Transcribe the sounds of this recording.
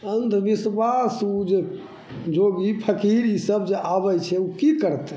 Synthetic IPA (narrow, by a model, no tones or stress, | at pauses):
ənd̪ʱbiswasud͡ʒe | d͡ʒoɡipʰəkiɾisəbd͡ʒeʔabɛt͡ʃʰɛukikəɾt̪ɛ